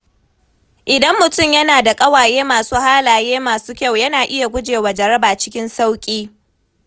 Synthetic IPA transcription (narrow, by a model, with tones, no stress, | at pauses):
ʔɪ˨dɐ˦mːʊ˨tʊ˦˨mjɐ˦naː˨da˨kʼɐ˦waː˨jeː˦maː˨suː˦haː˦laː˨jeː˦maː˨suː˦kʲa˦˨wjɐ˦naː˨ʔɪ˦ja˨ɡʷʊ˦d͡ʒeː˨wa˨d͡ʒɐ˨ɾɐ˦baː˨t͡ʃɪ̥˦kʲɪ˦nsa˦wkʲʼiː˦